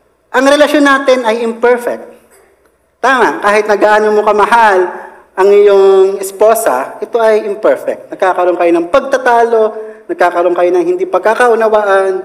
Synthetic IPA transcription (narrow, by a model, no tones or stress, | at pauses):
ʔɐŋɾɛlɐʃo̞nːaːt̪ɪnɐjɪmpɛɹfɛk̚t̪̚ | t̪aːmɐkaːhɪt̪̚nɐɡaːanomokɐmɐɦal | ʔɐŋɪjoŋɛspoːsɐ̰ʔɛt̪o̞ʔɐjʔɪmpɛɹfɛ̰k̚t̪̚nɐɡ̚kaːkɐɾo̞nkɐjo̞nɐŋpɐɡ̚t̪ɐt̪aːlo̞nɐɡ̚kaːkɐɾo̞nkɐjo̞nɐŋhɪnd̪ipɐɡ̚kakɐʔʊnɐwaʔɐn